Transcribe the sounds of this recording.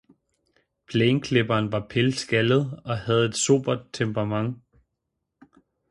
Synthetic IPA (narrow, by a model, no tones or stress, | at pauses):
pʰleːnkʰle̝b̥ɐːnʋɑ̈pʰelsɡ̥ælð̞̩ˠɒ̽hæð̞̩ˠe̝d̥so̝̰ːb̥ɐd̥̚t͡sʰempʁɑmɑ̈ŋ